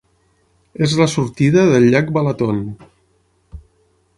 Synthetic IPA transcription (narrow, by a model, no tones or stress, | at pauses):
ezlasuɾt̪iðəðəlʎak̚balat̪on